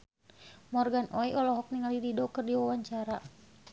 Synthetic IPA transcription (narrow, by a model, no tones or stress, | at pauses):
mɔrɡanʔɔiɔlɔɦɔk̚niŋalididɔkɨrdiwawaɲt͡ʃaɾa